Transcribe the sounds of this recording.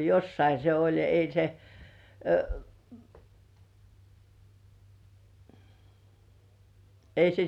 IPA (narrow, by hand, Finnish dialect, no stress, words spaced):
josːɑi se olʲ ei se ei se